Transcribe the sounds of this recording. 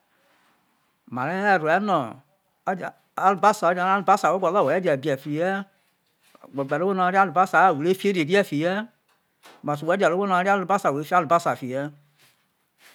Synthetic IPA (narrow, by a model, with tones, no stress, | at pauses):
ma˨ɾɛ˦˨ɾu˨ɛ˦nɔ˨˦˨ | a˦lu˨ba˦sa˨ɔ˦d͡ʒa˧˦a˦lu˨ba˦sa˨wo˦ɡɔ˨lɔ˦˨wo˨ɛ˦d͡ʒɛ˨bi˨ɛ˨fi˨jɛ˦˨ | ɡ͡bɔ˨ɡ͡bɛ˨ɾo˦o˦nɔ˧˦ɾi˦a˦lu˨ba˦sa˨˦˨wu˨e˦fi˦e˦ɾi˨e˨ɾi˦ɛ˦˨fi˨jɛ˦ | ma˨su˨ɛ˦d͡ʒɛ˨ɾo˦wo˦nɔ˧˦ɾi˦a˦lu˨ba˦sa˨wu˨e˨˦fi˦a˦lu˨ba˦sa˨fi˨jɛ˦